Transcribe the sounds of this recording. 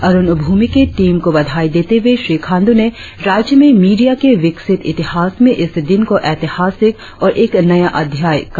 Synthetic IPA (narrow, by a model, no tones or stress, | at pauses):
ɐɾʊnʊbʱuːmikeʈiːmkobɐd̪ʱaːid̪eːt̪eʋeʃɾiːkʰãːnd̪une | ɾaːd͡ʒjəmẽmiːɖijakeʋɪksɪt̪ɪt̪ɪhaːsmẽʔɪsd̪ɪnkoʔɛːt̪ɪhaːsɪk | ɔːɾʔeːknɐjaʔɐd̪ʱjaːjk